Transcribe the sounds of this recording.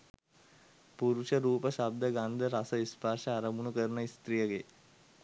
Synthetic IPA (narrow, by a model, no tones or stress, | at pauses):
puɾuʃɐɾuːpɐʃab̚d̪ʱɐɡand̪ʱɐɾasɐispaːɾʃɐaɾɐmunukəɾnɐist̪ɾijɐɡe